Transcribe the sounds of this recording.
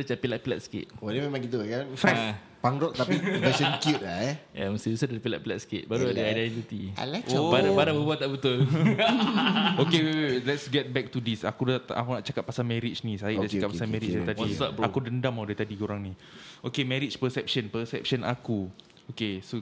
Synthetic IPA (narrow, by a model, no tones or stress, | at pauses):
dət͡ʃapilaʔ̚pila̰t̪̚sə̥kɪ̰t̪̚odememaŋkit̪ukanfɾa | paŋɾɔʔ̪apipəsənkjut̪̚laja̰məst̪ibisadalapila̰ʔpilat̪sə̥kɪt̪̚baɾuadəajdɛnt̪it̪ia̰lat͡ʃbaɾabaɾabəbuat̪t̪ːaʔbət̪ʊl | okewlɛtsɡɛt̪̚bɛk̚tudisa̰kua̰kunaʔt͡ʃakatp̚pːasalmɛ̃ɾit͡ʃnisaiʔdaʔakapasamɛ̃ɾit͡ʃdat̪adiaʔakudəndamadat̪adikoɾaŋni | okemɛ̃ɾit͡ʃpəsɛp̚ʃənpəsɛp̚ʃənʔa̰ku | okeso